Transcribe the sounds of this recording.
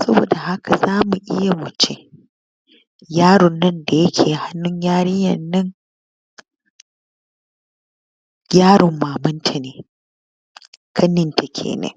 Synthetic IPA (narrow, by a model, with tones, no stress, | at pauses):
sɐ˦bo̰ː˨da˨ha˦ka˨zaː˦mu˨ʔɪ˦ja˨mʊ˨t͡ʃe˦ | jaː˦ɽʊ˨nːɐ˦nda˨jɐ˦kʲʰeː˨ha˦nːʊ˦ɲjaː˦ɽɪ˦jɐ˨nːɐ˦ŋ | ɡʲaː˦ɽʊ˨mːaː˨mʊ˦ntʰa˨neː˨ | kʰɐ˦nɪ˨nta˨kʲʰḛː˨nḛː˦